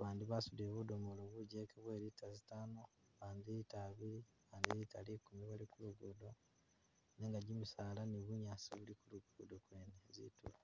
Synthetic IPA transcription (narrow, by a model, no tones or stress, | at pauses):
βaːndiβasudeβudomoloβuɟekeβweːɾitazitaːno | βaːnd̪iitaβiɾi | βaːndiɾitalikumiβalikuluɡudo̞ | neŋɡaɟimisaːlaniβuɲaːsiβulikuluɡuudokweːnezḭtṵla